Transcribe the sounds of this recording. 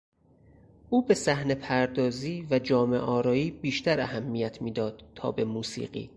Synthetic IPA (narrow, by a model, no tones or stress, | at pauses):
ʔuːbe̞sæhne̞pʰæɾd̪ɒːziːvæd͡ʒɒːme̞ʔɒːɾɒːiːbiːʃt̪ʰæɾæhæmːijæt̪ʰmiːd̪ɒːd̪̥̚t̪ʰɒ̰ːbe̞muːsḭːɢḭː